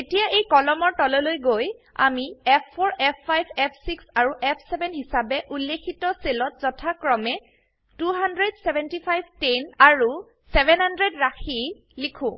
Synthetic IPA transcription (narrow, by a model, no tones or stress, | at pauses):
etijaʔejkɔlɔmɔɹtɔlɔlojɡoj | a̰miɛpʰːoɹʔɛpʰːajbɛpʰsiksaɹuʔɛpʰsɛbɛnɦisabɛʔulːekʰitɔselɔtz̥ɔtʰakɹɔmɛ | tuɦandɹɛdsɛbɛntipʰajbʱtenaɹu | sɛbɛnhandɹedɹaxi | likʰʊ̃